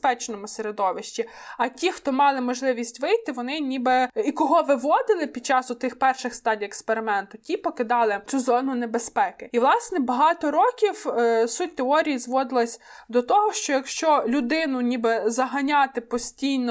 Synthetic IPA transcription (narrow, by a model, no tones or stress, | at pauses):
pɛt͡ʃnɔmʊseɾed̪ɔʋɪʃt͡ʃʲiɐtʲixt̪ɔmɑlˠɪmɔʒlˠɪʋʲisʲtʲʋɪjt̪ɪʋɔnɪnʲibɛikɔɦɔʋɪʋɔd̪ɪlˠɪpʲid̪̥̚t͡ʃɑsʊt̪ɪxpɛrʃɪxst̪ɑdʲijekspeɾɪmɛnt̪ʊtʲipɔkɪd̪ɑlˠɪt͡sʲuzɔnʊnebespɛkɪiʋlˠɑsnɛbɐɦɑt̪ɔɾɔkʲiwsut̚ʲt̪eɔɾʲijizʋɔd̪ɪlˠɐsʲd̪ɔt̪ɔɦɔʃt͡ʃɔjɐkʃt͡ʃɔlʲʊd̪ɪnʊnʲibɛzɐɦɐnʲɑt̪ɪpɔsʲtʲijnɔ